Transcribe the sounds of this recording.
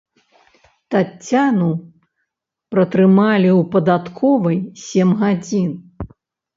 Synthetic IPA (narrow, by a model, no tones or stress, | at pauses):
t̪at͡st͡sʲːanu | pɾɐt̪ɾɨmalʲiwpɐd̪at̪kʰɔvɐjsʲɛmɣad͡zʲin